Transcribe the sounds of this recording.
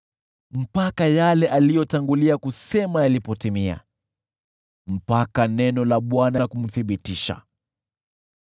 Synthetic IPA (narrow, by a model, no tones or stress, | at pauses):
m̩pakajalɛʔalijɔtaŋɡuliakusɛmajalipɔtimia̰ | m̩pakanɛnɔlaɓwanakum̩θiɓitiʃa̰